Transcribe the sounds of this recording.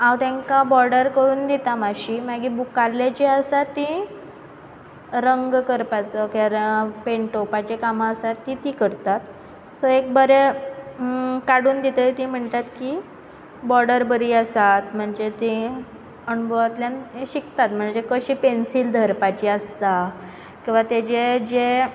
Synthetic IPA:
ãwt̪jãŋkabɔɾɖəɾkəɾuːnd̪it̪amaɕimaɡibukalːat͡ɕeəsat̪ːĩ | ɾəŋɡkəɾpat͡səkaɾpeɳʈopat͡ɕekamaəsat̪ːit̪ikəɾt̪at̪ | səek̚bəɾe | kaɽuːnd̪it̪et̪ĩm̤əɳt̪at̪ki | bɔɽəɾbəɾiːəsat̪m̤əɳd͡zet̪ĩ | əɳubʱəʋt̪ljanɕikt̪at̪m̤əɳd͡zekəɕiːpensiːld̪ʱəɾpat͡ɕiəst̪a | kĩw̃ʋat̪ed͡ʑed͡ʑe

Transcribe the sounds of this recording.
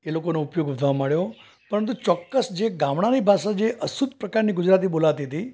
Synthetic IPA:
elokonoupjoɡʋəd̪ʱʋamaɭjo | pəɾənt̪̬ut͡ʃɔkːəsd͡ʒeɡãmɳ̃anibʱasãd͡ʒeʔʔəsud̪ʱpɾəkaɾniɡʊd͡ʒɾat̪̬ibolaʋt̪iɦət̪i

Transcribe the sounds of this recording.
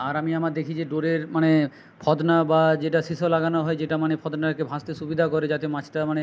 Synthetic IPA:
aɾamiamaɾd̪ekʰid͡ʑeɖoɾeɾmane | pʰɔd̪nabad͡ʑeʈaʃiʃolaɡanoɦɔed͡ʑeʈamanepʰɔd̪naɾkebʱãst̪eʃubid̪ʱakoɾed͡ʑat̪emãt͡ɕʈamane

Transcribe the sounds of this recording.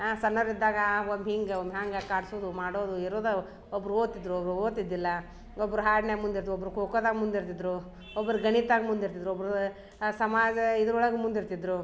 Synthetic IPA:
sɐnːɐɾid̪ːaːɡɐʋɐmɦiːŋɡeomɦaːŋɡɐkaːɽsoːd̪umaːɽoːd̪uiɾoːd̪ɐ | ɔbːɐɾuoːt̪id̪ɾuɔbɾuoːt̪id̪ːilːɐ | ɔbːɐɾuɦaːɽneːmund̪iɾt̪uɔbːɐɾukoːkoːd̪aːɡɐmund̪iɾt̪id̪ɾu | ɔbːɐɾuɡɐɳit̪aːɡɐmund̪iɾt̪id̪ɾuɔbɐɾu | sɐmaːd͡ʒɐid̪ɐɾɔɭɐɡemund̪iɾt̪id̪ɾu

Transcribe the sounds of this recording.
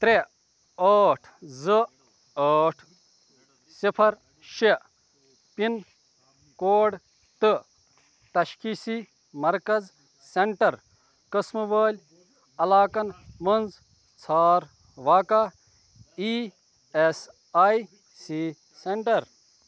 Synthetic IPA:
t̪ɾe | əːʈʰzɨ | əːʈʰ | sipʰɐɾ | ʃe | pin | koːɖ | t̪ɨ | t̪ɐʃkiːsi | mɐɾkɐz | seɳʈɐɾ | kɐsmuʋɐːlʲ | ɐlaːkɐnmɐnd͡z | t͡sʰaːɾ | ʋaːka | i | es | aːj | si | seɳʈɐɾ

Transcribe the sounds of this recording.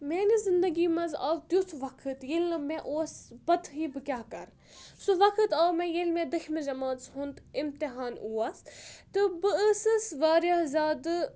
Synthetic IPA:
meːnizɪnd̪ɐɡiːmɐzaːʋt̪jut͡s̪ʰʋɐkʰɨt̪jelɨmẽʔoːsbɐd̪ɦibɨkʲjaːkɐ̰ɾ | suʋɐkʰɨt̪aːwmẽjelmẽd̪ɨkʰʲmid͡ʒɐmaːsɦunt̪ɪmt̪ɪɦaːnuːaːst̪ɨbɨəsɨsʋaːɾjazʲaːd̪ɨ

